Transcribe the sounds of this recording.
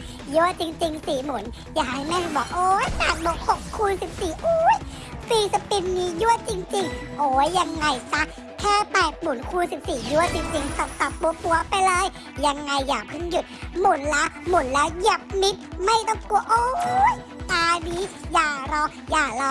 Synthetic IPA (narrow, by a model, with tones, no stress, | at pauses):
juː˧˥˩ət͡ɕi˧ŋt͡ɕi˧ŋsiː˨˩mu˨˩˦n | jaː˨˩kha˧˩jmɛ˥˩hbɔː˨˩k̚ʔoː˨˦jna˨˩t̪̚bɔː˨˩˦hʰo˨˩k̚kʰːuː˧nsi˨˩˦p̚siː˨˩ʔoː˧˦˥j | siː˨˩sa˧˦pi˧mniː˨˦˥ju˦˧˥ət͡ɕi˧ŋt͡ɕi˧ŋʔoː˨˦jːa˧ŋːa˧jsa˦˥ | kʰɛː˥˩pɛː˨˩t̪̚mu˨˩˦nkʰuː˧nsi˨˩p̚siː˨˩ju˧˥˩ət͡ɕi˧ŋt͡ɕi˧ŋsa˨˩˦a˨˩p̚ːu˧˦pu˧˩əpa˧jlɤː˧j | ja˧ŋːa˧jːaː˨˩pʰɯ˥˨nju˨˩t̪̚mu˩˦nlɛː˦˥wmu˨˩˦nlɛː˦˥wja˨˩p̚mi˦˥t̪̚ma˥˩jt̪ɔ˥˩ŋku˧˩əʔoː˧j | t̪aː˧niː˦˥jaː˨˩ɾɔː˧˥ | jaː˨˩lɔː˧